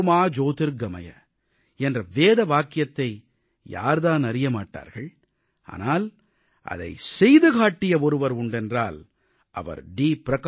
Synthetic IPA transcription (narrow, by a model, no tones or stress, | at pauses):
maːd͡ʒoːt̪ɪɾɡɐmɐjɐ̰ | ɛndrɐʋeːðɐʋaːkɪjɐt̪ːɐɪ | ja̰ːɾðaːnɐɾɪjɐmaːʈːa̰ːɾɣɐɭ | ʔa̰ːnaːl | ʔɐ̰ðɐ̰ɪsɛjðɯɣaːʈːɪjɐɔɾɯʋɐɾʊɳɖɛndra̰ːl | ʔɐ̰ʋɐ̰ɾɖiːpɪɾɐkː